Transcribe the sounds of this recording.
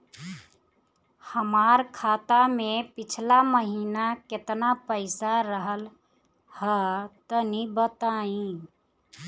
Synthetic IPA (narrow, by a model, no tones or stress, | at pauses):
həmaɾkʰat̪amepit͡ʃʰlaməɦinaket̪napəɪsaɾəɦəl | hət̪ənibət̪aĩ